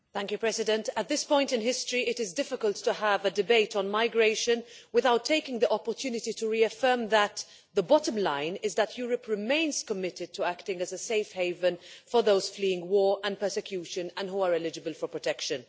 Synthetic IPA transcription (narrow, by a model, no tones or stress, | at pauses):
θæ̃ŋkjʉpʰɹ̥ɛzɨdɨ̃ntət̪̚ðɪspɔ̃ɪ̃ntɨ̃nɦɪstɹ̥iʔɪɾɪzdɪfɪkəlˠtʰːəəvədɨbeɪɾn̩maɪɡɹeɪʃɨ̃nwɪðaʊtʰːeɪkɪ̃ŋðiʔɑpə˞tʰjʉːnɨtitʰəɹiɨfɜ˞mðət̪ | ðəbɑɾə̃mlã̰ɪ̃nɪzðətʰjuːɹəpʰɹɪmẽɪ̃nz̥kəmɪɾɨd̚tʰəæktɪ̃ŋɨzəseɪfheɪvə̃nfə˞ðoʊz̥fliɪ̃ŋwɔːɹʔə̃npʰɜ˞sɨkʰj̥ʉʃɨ̃nə̃nɦuəɹɛlɪd͡ʒɨbəlˠfə˞pʰɹ̥ətʰɛkʃɨ̃n